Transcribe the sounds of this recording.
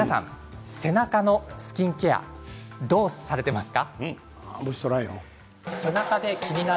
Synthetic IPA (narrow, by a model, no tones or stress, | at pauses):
nasã̰ŋ | se̞nakano̞sɨ̥kʲĩŋkea̰d̪o̞ːsaɾe̞t̪e̞masɨ̥ka | boɕsoɾaijo̰ | se̞nakad̪e̞kʲiɲ̟ina